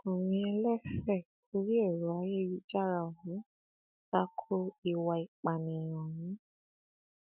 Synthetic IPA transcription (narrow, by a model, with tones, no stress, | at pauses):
o˨mĩ˧ɛ˧lɛ˦xɛ˦˨ku˧˦ɾi˦e˦˨ɾo˨˦a˧˦je˦ji˦d͡ʒa˦ɾa˧o˨hũ˨˦ | ta˦kʰo˦i˧wa˧i˨k͡pa˨nĩ˨j̃ɔ̃˨wĩ˨˦